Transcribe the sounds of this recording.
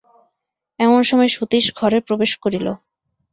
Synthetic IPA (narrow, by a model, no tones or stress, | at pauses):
ɛmonʃɔmɔeʃut̪iʃɡʱɔɾepɾobeʃkoɾilo̰